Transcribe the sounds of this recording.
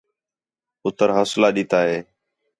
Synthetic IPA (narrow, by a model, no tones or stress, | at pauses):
ʊt̪əɾɦəslaːɗɪt̪aːɦeː